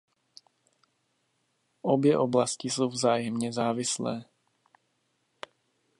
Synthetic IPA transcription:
ʔobjɛʔo̞blascɪso̞wvzaːjɛmɲɛzaːvɪslɛ̰ː

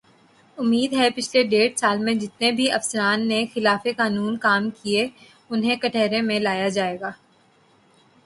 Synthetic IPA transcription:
ʊmːiːd̪ɦɛpɪt͡ʃʰleɖeːɽsaːlmẽd͡ʒɪt̪nebʱiʔɐfsəɾaːnːexɪlaːfekaːnuːnkaːmkie | ʊnɦẽkɐʈʰɛːɾẽmẽlaːjad͡ʒaːeːɡaː

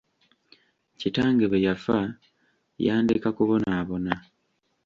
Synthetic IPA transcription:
citaːŋɡeβejafa | jaːndikakuβo̞naːβo̞na

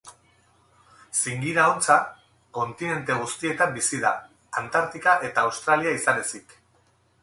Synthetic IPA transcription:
siŋɡiɾao̞nt͡sa | ko̞nt̪ine̞nt̪e̞ɣ̞ust̪ie̞t̪ambisiða̰ | ant̪aɾt̪ikaʔe̞t̪aːwst̪ɾaliaisane̞sik

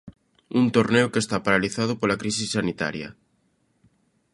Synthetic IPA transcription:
unt̪oɾneokest̪apaɾaliθað̞ʊpolakɾisisːanit̪a̰ɾjɐ̰

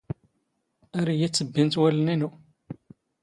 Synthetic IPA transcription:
æɾijæt͡sːəbːint̪wæləninu

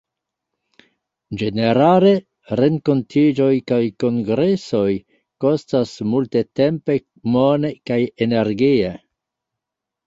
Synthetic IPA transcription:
d͡ʒe̞ne̞ɾale̞ | ɾe̞ŋko̞ntʰid͡ʒo̞jkajko̞ŋɡɾe̞so̞j | ko̞stasmulte̞te̞mpe̞ | mone̞kajene̞ɾɡie

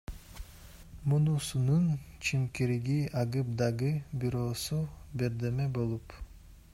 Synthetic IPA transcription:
munusununt͡ʃʰimkiɾiɡiɑʁɯp̚d̪ɑʁɯbiɾo̞ːsubeɾd̪emebo̞lˠup

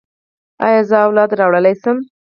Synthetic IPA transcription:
ɑ̰jɑzəawlɑd̪ɾɑwɽəlajsəm

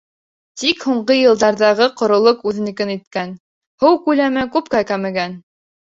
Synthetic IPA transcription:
t̪ikhuɴɢɤjɤ̆lˠd̪ɑɾðɑʁɤqŏɾŏlˠoqʉðɘ̆nɘ̆kɘnit̪̚kæn | hɤwkʉlæmɘkʉp̚kækæmɘ̆ɡæn

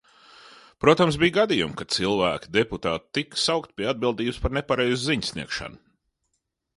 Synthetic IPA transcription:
pɾuɔt̪amsbijɡad̪ijumkat̪silˠvæːkʲi̥d̪eput̪aːt̪t̪ːiksawkt̪̚pʲiɛad̪̚bilˠd̪iːbuspaɾnɛpaɾɛjzʊziɲsʲniɛkʃa̰nʊ

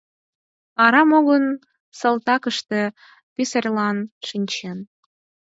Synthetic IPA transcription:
ɑɾɑmoɣən | səlt̪ɑkəʃt̪e | pisərʲlɑnʃinʲt͡ɕen

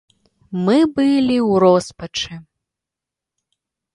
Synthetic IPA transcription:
mɨbɨlʲiwɾɔspɐt͡ʂɨ

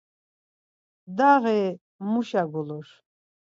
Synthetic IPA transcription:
d̪aʁɛ | muʃaɡɔlɔʃ

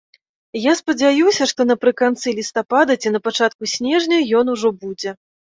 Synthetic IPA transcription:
jaspɐd͡zʲajusʲɐʂt̪ɔnɐpɾɨkant̪sɨlʲist̪apad̪ɐt͡sʲinɐpat͡ʂat̪̚kusʲnʲɛʐnʲɐjɔnuʐɔbud͡zʲɛ

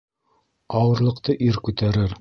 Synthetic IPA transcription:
ɑwɤ̆ɾlˠɤ̆qt̪ɤʔiɾkʉt̪æɾɘɾ

